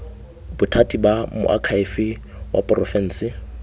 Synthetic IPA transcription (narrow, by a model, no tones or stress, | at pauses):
bʊtʰatʼibamʊ̰ʔa̰kʰaɪfɪ | wʔa̰pʼrɔfɛn̩ːsɪ